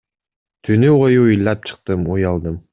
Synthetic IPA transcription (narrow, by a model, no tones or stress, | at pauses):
t̪ʰynyʁojuujlˠːɑp̚t͡ʃʰɨ̥q̚t̪ɯmujɑlˠd̪ɯm